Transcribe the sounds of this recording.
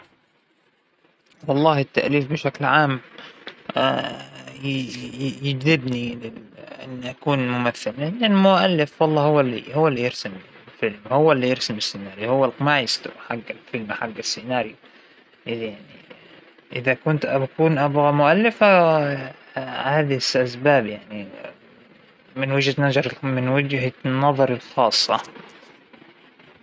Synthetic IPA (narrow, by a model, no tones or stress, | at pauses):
wɑlˤːɑːhɪt̪ːa̰ʔliːfbɪʃaklʕaːm | a | jɪd͡ʒðɪbnilɪʔɪ̰nːʔakuːnmʊmaθːɪlːɪnalmʊʔalːɪfwɑlˤːɑːhʊwːalːḭhʊwːalːijɪɾsamlfɪlmhʊwːalːijɪɾsɪmɪsːɪnaːɾjihʊwːalqmaːʕɪst̪ʊħaɡːalfɪlmħaɡːasːɪnaːɾju | ʔɪjaʕni | ʔɪðakʊnt̪ʔabakuːnʔabɣamʊʔalːɪfa | haːðɪsʔasbaːbjaʕni | mɪnwɪd͡ʒhanad͡ʒɑɾˤmɪnwɪd͡ʒhanːɑðˤɑɾˤɪlxɑːsˤːɑ